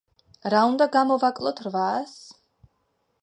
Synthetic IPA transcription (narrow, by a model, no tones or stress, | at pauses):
ɾaund̪aɡamɔvakʼlˠɔt̪ʰɾvaːs